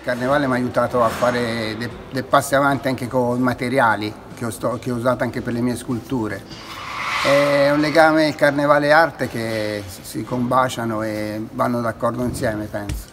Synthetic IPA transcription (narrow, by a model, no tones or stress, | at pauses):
lkarnevaːlemaːjut̪aːt̪oafːaːɾed̪e | d̪epasːeavant̪iaŋkekomat̪eɾjaːli | keɔst̪ɔk̟eɔuzaːt̪oaŋk̟eperlemiːeskult̪uːɾe | ɛɛunleɡaːmeilkarnevaːleart̪ek̟e | sikombaːt͡ʃanoevanːod̪akːɔrd̪oinsjɛːmepɛnso̥